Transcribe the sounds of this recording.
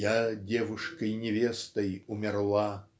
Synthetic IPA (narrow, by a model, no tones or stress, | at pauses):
jadʲevuʂkɐjnʲevʲest̪ɐjumʲɛrlˠa